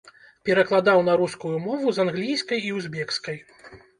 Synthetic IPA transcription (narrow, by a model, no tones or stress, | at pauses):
pʲɛɾɐklˠad̪awnɐɾuskujumɔvuzanɣlʲijskɐjiwzʲbʲɛkskɐj